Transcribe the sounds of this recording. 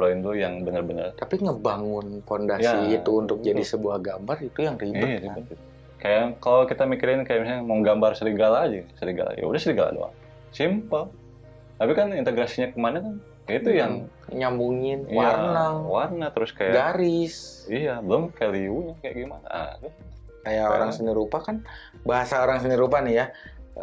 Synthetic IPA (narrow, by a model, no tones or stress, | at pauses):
blaɪndojaŋbənərbənərt̪apiŋəbaŋʊnkondajsaiːt̪uːnt̪ʊk̚d͡ʒadisəbuahɡambarit̪ujaŋribiʊjasibət̪ʊ | kajakalokit̪amikiɾɪnkajaʔmisaamoŋɡambarsəɾiɡalːd͡ʒasəɾiɡa̰la̰d͡ʒa̰ja̰udahsəɾiɡala̰dṵa̰ | simpəl | t̪apikanint̪eɡɾasiɲakəmanakan | it̪ujaŋ | ɲambuŋɪniwaarnaŋwarnat̪əɾʊskajaɡaɾɪsijabəlʊmfeliuɲakaja̰ʔɡimana̰ʔt̪ʊ | kajao̰ɾaŋsəniɾupakan | baɦasaoɾaŋsəniɾup̬anija